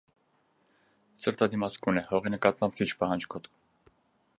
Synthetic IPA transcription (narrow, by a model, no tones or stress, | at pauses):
səɾt̪ʰɑd̪imɑskunɛhɔʁinəkɑt̪̚mɑmp̚kʰit͡ʃʰpɑɦɑnd͡ʒkʰɔt̪k